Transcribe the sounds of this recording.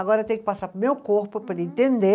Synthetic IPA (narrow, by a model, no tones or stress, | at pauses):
ɐɡɔɾɐt̪ẽjk̚ʲɪ̥pasapmewkoɾpupɐɾĩnt̪ẽnd̪e